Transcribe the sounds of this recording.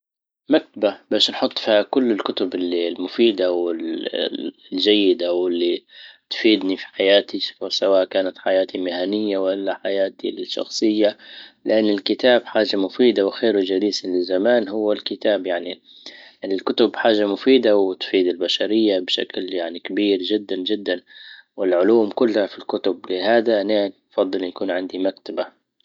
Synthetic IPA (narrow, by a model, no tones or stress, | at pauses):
mak̚t̪ababaːʃnħʊt̪ˤːfiːhakʊlːɪlkʊt̪ʊbɪlːilmʊfiːd̪awɪl | d͡ʒajːɪd̪awɪlːit̪fiːd̪nifi̥ħajaːt̪isfsawaːʔkaːnat̪ħajaːt̪imɪhanɪjːawalːaħajaːt̪iʃɑ̰xsˤɨjːalɪʔanːɪlkɪt̪aːbħaːʒamʊfiːd̪awxeːɾuwd͡ʒaliːslɪzzːamaːnhʊwːalkɪt̪aːbjaʕni | ʔɪlkʊt̪ʊbħaːʒamʊfiːd̪awɪt̪fiːd̪ɪlbaʃaɾɪjːabʃa̰kljaʕnikabiːɾʒɪd̪ːand͡ʒɪd̪ːanwɪlʕʊluːmkʊlːhafilkʊt̪ʊblɪhaːd̪aʔnaː | fɑd̪ˤːɨljakuːnʕɪnd̪imakt̪aba